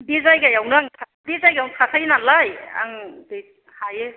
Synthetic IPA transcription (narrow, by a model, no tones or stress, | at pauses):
bizajɡajawnɯaŋtʰa | bizajɡaawnkʰasʰajnalaja̰ŋde | haje